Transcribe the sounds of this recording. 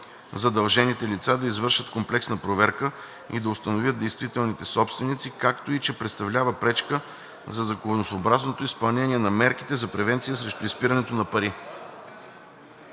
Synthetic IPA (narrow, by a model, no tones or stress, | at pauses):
zɐd̪ɐlˠʒɛnit̪ɛlit̪sad̪ɐizvɤɾʃət̪komplɛksnɐpɾovɛɾkə | ḭd̪ɐʊst̪ɐnovʲəd̪̚d̪ɛjst̪vit̪ɛlˠnit̪ɛsɔpst̪vɛnit̪sikakt̪oit͡ʃɛpɾɛt̪st̪ɐvlʲavəpɾɛt͡ʃkə | zɐzɐkonosoːbɾaznot̪oispɐlˠnɛniɛnɐmɛɾki̥t̪ɛzɐpɾɛvɛnt̪sijəsɾɛʃt̪ʊispiɾɐnɛt̪onɐpɐɾi